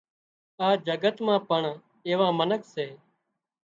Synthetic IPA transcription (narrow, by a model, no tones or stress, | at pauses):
aːd͡ʒəɡət̪mãːpəɳ | eːʋãːmənəkʰseː